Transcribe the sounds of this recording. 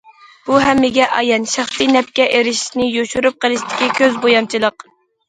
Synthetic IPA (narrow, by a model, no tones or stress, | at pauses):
b̥uɦɛmːɪɡʲɛʔɑjɛnʃɑχt̪inɛp̚kʲɛʔeɾɪʃi̥ʃnɪjoʃuɾup̚qəlˠɨʃt̪ʰɪ̥kʲikʲʰøzbojɑnt͡ʃʰilˠəq